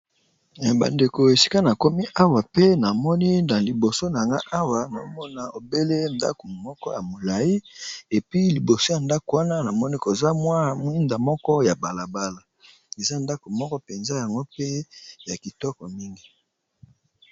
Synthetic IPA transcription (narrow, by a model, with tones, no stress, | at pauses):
ba̰˨nde˨ko˨e˨si̥˦ka˦na˨ko˦mi˦ʔa˦wa˨pe˦na˨mɔ˦ni˦na˨li˨bo˨so˦na˨ŋɡa˦ʔa˦wa˨na˨˦mɔ˦na˨o˨be˦le˦˨nda̰˦ko˨mɔ˦kɔ˦ja˨mo˨la˨i˦e˨pi˦li˨bo˨so˦ja˨nda˦ko˨wa˦na˦na˨mɔ˦ni˦ko˨za˦mwa˦˨m˦i˦nda˨mɔ˦kɔ˦ja˨ba˨la˨ba˦la˨ | e˨za˦nda˦ko˨mɔ˦kɔ˦pe˨nza˦ja˨ŋɡo˦pe˦ja˨ki˨tɔ˦kɔ˨mi˦ŋɡi˦